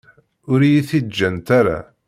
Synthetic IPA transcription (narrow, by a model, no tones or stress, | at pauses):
ʊɾijiθid͡ʒːənt̪aɾa̰